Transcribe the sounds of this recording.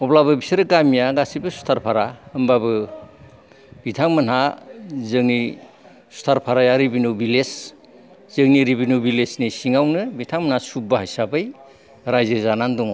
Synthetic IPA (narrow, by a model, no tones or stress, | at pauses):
ɔblabɯbisɯɾɯkamijaɡasibɯsu̥tʰaɾpʰaɾaɯmbabɯ | b̥itʰaŋmɯnɦazɯŋni | su̥tʰaɾpʰaɾajaɾibinubiles | z̥ɯŋniɾibinubilesnisiŋawnɯbitʰaŋmɯnhasubaɦajsabɯj | ɾajziɾzanandɔŋ